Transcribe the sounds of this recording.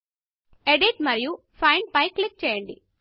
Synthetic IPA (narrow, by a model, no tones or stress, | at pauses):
eɖiʈmɐɾiju | pʰɐjɳɖpɐjkːlik̚t͡ʃɛːjɐɳɖḭ